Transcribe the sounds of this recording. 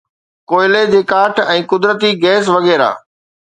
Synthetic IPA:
koːɪled͡ʑeːkaːʈʰɛ̃ːkʊd̪ɾət̪iɡɛːs̬ʋɐɣɛːɾa̰ː

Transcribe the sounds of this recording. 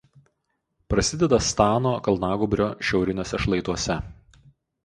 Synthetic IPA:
pɾɐsʲɪd̪ʲɛd̪ɐst̪ɑːnoːkɐlˠnɑːɡʊbʲɾʲoːʃʲɛʊɾʲɪnʲoːsʲɛʃlˠɐɪt̪uɔsʲɛ

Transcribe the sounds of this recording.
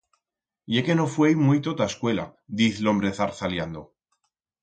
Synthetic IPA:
jeke̞nofwe̞jmujt̪o̞t̪aeskwe̞la̰d̪iθlo̞mbɾe̞θaɾθaljand̪o

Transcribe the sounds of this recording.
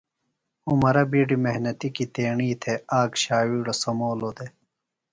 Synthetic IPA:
umɐɾɐbiɖimeɦnɐt̪ikit̪eːɳiːt̪ʰeaːɡɕaːwiːɽosɐmoːlod̪e

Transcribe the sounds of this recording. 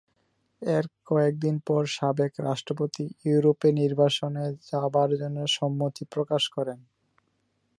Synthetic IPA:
eɾkɔek̚d̪inpɔɾʃabekɾaʃʈɾopot̪ijuuɾopeniɾbaʃoned͡ʑabaɾd͡ʑonːeʃɔmːot̪ipɾokaʃkɔɾen

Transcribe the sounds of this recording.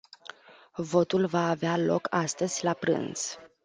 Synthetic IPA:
vo̞t̪ulvaːvealo̞̰kʰast̪əz̥ʲlapɾɨ̰nz̥

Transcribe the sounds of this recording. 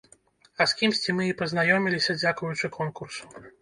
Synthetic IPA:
ɐskʲimsʲt͡sʲimɨipɐznajɔmʲilʲisʲɐd͡zʲakujut͡ʂɨkʰɔnkursu̥

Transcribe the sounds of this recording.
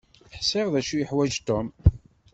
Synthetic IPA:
ħsɪʁðæʃujəħwæd͡ʒt̪ɔm

